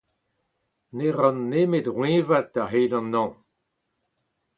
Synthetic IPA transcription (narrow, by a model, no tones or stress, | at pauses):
neʁɑ̃nːemetʁwẽvat̚daɦeːdɑ̃nːɑ̃